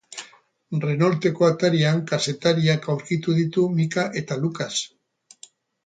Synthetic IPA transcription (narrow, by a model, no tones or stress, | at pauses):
re̞no̞lt̪e̞ko̞at̪aɾiaŋkase̞t̪aɾiakawɾkit̪uð̞it̪umikaʔe̞t̪alukas